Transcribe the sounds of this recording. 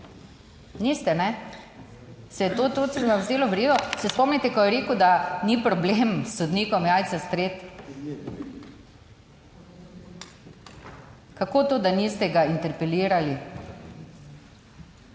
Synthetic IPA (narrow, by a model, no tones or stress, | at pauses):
nist̪ɛnɛ | sɛjɛt̪oːt̪osɛʋazeːlɔʋɾidɔsɛspɔmnit̪ɛkɔjɛɾeːkʊd̪anipɾɔblemsːod̪niːkɔmjaːj̪t͡ssast̪ɾeːt̪ | kakot̪oːd̪aniːst̪ɛɡaint̪ɛɾpɛliːɾali